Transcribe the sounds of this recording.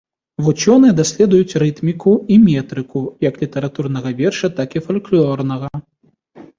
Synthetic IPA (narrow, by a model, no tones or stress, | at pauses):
vut͡ʃɔnɨɛd̪asʲlʲɛd̪ujut͡sʲrɨt̪mʲikuimʲɛt̪ɾɨkujɐklʲit̪ɐɾat̪urn̪ɐɣɐvʲɛrʂɐt̪akifalʲklʲɔrnɐɣɐ